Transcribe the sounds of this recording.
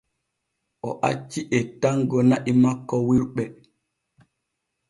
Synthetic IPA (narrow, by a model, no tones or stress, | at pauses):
ʔɔʔa̰t͡ʃːiʔɛtaŋɡɔnaʔimakːɔwiɾɓɛ